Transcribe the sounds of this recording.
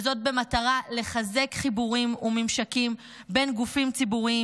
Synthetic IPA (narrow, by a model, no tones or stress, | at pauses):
zo̞t̚be̞mataʁale̞χaze̞kχibuʁimumimʃakim | be̞nɡufimt͡sibuʁi